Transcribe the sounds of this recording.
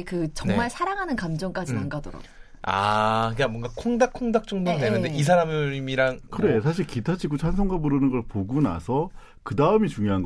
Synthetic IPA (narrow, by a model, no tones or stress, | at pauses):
kɯt͡ɕʌnnŋemaɭsʰaɾaŋɦanɯnkamd͡ʑʌŋk͈ad͡ʑinaŋɡadʌɾa̰ | a̰ɯkamwʌŋɡakʰoŋdakʰoŋdak̚t͡ɕ͈oŋdonenɯndeis̬ʰaɾammiɾaŋkɯɾe̞sʰaɕʰiɭkitʰad͡ʑʰiɡot͡ɕʰansʰoŋɡaboɾɯnɯnɡʌɭpoɡuna̰sʰʌ | kɯdaɯmit͡ɕuŋjoɦanɡ